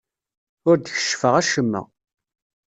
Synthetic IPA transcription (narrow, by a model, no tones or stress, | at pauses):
ʊɾd̪əçə̥ʃfəʁæʃəmːə̰